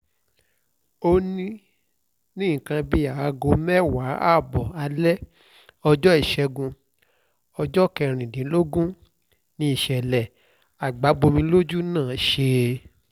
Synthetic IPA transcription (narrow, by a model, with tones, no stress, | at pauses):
o˧nĩ˦ | nĩ˦˨kã˧bi˧a˨a˧ɡo˧mɛ˦wa˨˦a˦˨bɔ˨a˧lɛ˦ | ɔ˧d͡ʒɔ˦i˦˨ʃɛ˧ɡũ˧ | ɔ˧d͡ʒɔ˦kɛ˧˨ɾ̃ĩ˨dĩ˨˦lo˦ɡũ˦ | nĩ˧i˦˨ʃɛ˨lɛ˨ | a˨ɡ͡ba˨˦bo˧mĩ˧˦lo˦d͡ʒu˦nãː˦˨˦ʃe˧